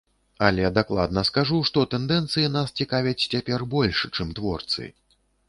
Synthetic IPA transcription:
ɐlʲɛd̪aklˠa̰d̪nɐskaʐuʂt̪ɔt̪ɛnd̪ɛnt̪sɨjinast͡sʲikavʲɐt͡sʲt͡sʲapʲɛrbɔlʲʂt͡ʂɨmt̪vɔrt̪sɨ̰

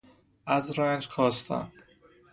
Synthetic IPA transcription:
æzɾɒænd͡ʒkʰɒːst̪ʰæ̰n

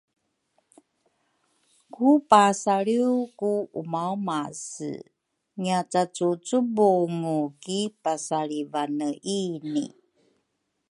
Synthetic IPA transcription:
kupasaɭiukuumawmas | ŋiat͡sat͡sut͡subuŋukipasaɭivanəʔinḭ

